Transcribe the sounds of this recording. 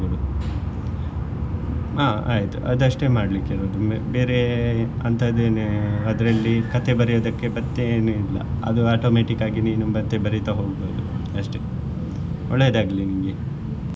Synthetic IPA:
oːd̪u | aːa̰ːjit̪ṵʔɐ̰d̪ɐʂʈe̞maːɽlikːeɾoːd̪umbe̞ːɾe̞ | ɐnt̪ʰɐd̪eːneɐd̪ɐɾɐlːikɐt̪ʰe̞bɐɾijoːd̪ɐkːe̞bɐt̪ːeeːnuilːɐ̰ɐ̰d̪uaːʈoːmeːʈikːaːɡiniːnubɐt̪ːebɐɾit̪ɐɦo̞ːɡboːd̪uɐʂʈe̞ | ɔɭːejɐd̪aːɡɐlːiniŋɡe

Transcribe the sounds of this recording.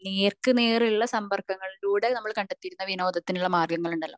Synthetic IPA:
neːrkɨne̞ːriɭːɐsɐmbɐrkɐŋːɐɭiluːɽenɐmːɐɭkɐɳɖet̪ːiɾunːɐʋino̞ːd̪ɐt̪ːinuɭːɐmaːrɡɐŋːɐɭuɳɖɐlːɐ̰

